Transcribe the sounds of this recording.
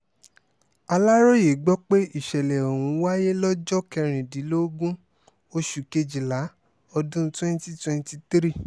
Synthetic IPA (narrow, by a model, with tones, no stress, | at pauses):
a˧la˦ɾo˦je˨ɡ͡bɔ˦k͡pe˦i˦˨ʃɛ˨lɛ˨o˨wũ˨˦wa˦je˦lɔ˦d͡ʒɔ˦kɛ˧ɾ̃ĩ˨di˨˦lo˦ɡũ˦ | o˦˧ʃu˨ke˧d͡ʒi˨la˨˦ | ɔ˧dũ˦twɛ̃˦n˦ti˦twɛ̃˧n˧ti˧tɾi˦